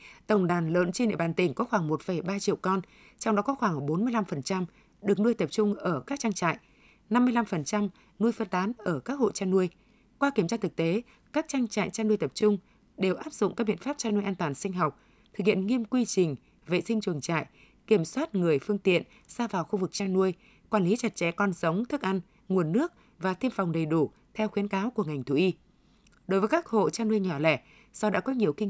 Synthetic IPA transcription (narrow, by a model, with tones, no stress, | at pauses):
t̪ə˧˩wŋ͡mɗaː˨˩nləː˧˨˥nt͡ɕe˧nɗḛ˧˨aː˨˩nt̪ï˨˩ŋ̟kɔ˨˦xwaː˧˩ŋmo˨˩t̚fə˨˩jɓaː˧t͡ɕḭ˧˨əwkɔ˧n | t͡ɕɔ˧wŋ͡mɗɔ˨˦kɔ˨˦xwaː˧˩ŋɓo˨˦nmɨ˧əjla˧mfə˨˩nt͡ɕa˧m | ɗɨ˨˩ək̚nu˧əjt̪ə˨˩p̚t͡ɕʊ˧ŋ͡mʔəː˧˩kaː˦˥k̚t͡ɕa˧ŋt͡ɕa̰ː˧˨j | na˧mːɨ˧əjla˧mfə˨˩nt͡ɕa˧m | nu˧əjfə˧nt̪aː˨˦nʔəː˧˩kaː˦˥k̚ho̰˧˨jt͡ɕaː˧nu˧əj | kwaː˧ki˧˩mt͡ɕaː˧t̪ʰɨ˨˩k̚t̪e˨˦ | kaː˦˥k̚t͡ɕa˧ŋt͡ɕa̰ː˧˨jt͡ɕaː˧nu˧əjt̪ə˨˩p̚t͡ɕʊ˧ŋ͡m | ɗe˨˩wʔaː˦˥p̚zʊ̰˧˨ŋ͡mkaː˦˥k̚ɓḭ˧˨ə˨nfaː˦˥p̚t͡ɕaː˧nu˧əjʔaː˧nt̪waː˨˩nsi˧ŋ̟ɦa˨˩wk͡p̚ | t̪ʰɨ˨˩k̚hḭ˧˨ənŋi˧əmkwi˧t͡ɕï˨˩ŋ̟ | vḛ˨sï˧ŋt͡ɕɨ˨˩əŋt͡ɕa̰ː˧˨jʔ | ki˧˩əmswaː˦˥t̚ŋɨ˨˩əjfɨ˧əŋt̪ḭ˧˨ən | saː˧vaː˨˩wxu˧vɨ˨˩k̚t͡ɕaː˧nːu˧əj | kwaː˧˩nli˨˦t͡ɕa˨˩t̚t͡ɕɛ̰˧˥kɔ˧nzə˨˦wŋ͡mt̪ʰɨ˦˥k̚ʔa˧ŋ | ŋu˨˩ənːɨ˦˥ək̚ | vaː˨˩t̪ʰi˧ənfa˨˩wŋ͡mɗə˨˩jɗu˧˩ | t̪ʰɛ˧wxi˨˦ənkaː˨˦wku˧˩əŋa˨˩jŋ̟t̪ʰu˧˩ʔi˧ | ɗo˨˦jvəː˨˦kaː˦˥k̚ho̰˧˨t͡ɕaː˧nu˧əjɲɔ˧˩lɛ˧˩ | sɔ˧wɗa̰ː˧˥kɔ˨˦ɲi˨˩əwkï˧ŋ